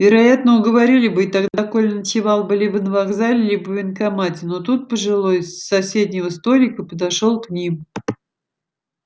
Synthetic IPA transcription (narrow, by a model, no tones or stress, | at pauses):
vʲɪɾɐjat̪nəʊɡəvɐɾʲilʲɪbɨːt̪aɡd̪ako̞lʲnət͡ɕɪvalˠbɨlʲibənəvaɡzalʲɪlʲibəvʲɪnkamatʲɪno̞t̪ut̪̚pəʐɨlˠojsːɐsʲed̪ʲnʲɪvəst̪o̞lʲɪkəpəd̪ɐʂo̞lˠknʲim